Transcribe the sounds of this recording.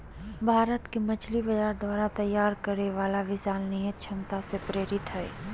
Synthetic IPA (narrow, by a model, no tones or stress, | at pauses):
bʱaːɾət̪kemɐt͡ʃlibɐd͡ʒaːɾd̪waːɾat̪ɐjːaːɾkəɾeʋaːlaʋɪsaːlnijət̪̚t͡ʃʰɐmt̪asepɾeːɾɪt̪ɦɛː